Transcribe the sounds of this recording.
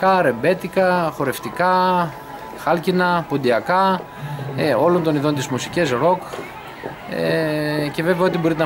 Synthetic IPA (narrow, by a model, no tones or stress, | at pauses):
kɐɾe̞be̞t̪ikɐxo̞ɾe̞ft̪ikɐ | xɐlcinɐpond̪iɐkɐ | o̞lo̞nt̪o̞niðo̞nt̪izmusicesɾo̞k | ece̞ve̞veɐot̪ibo̞ɾit̪n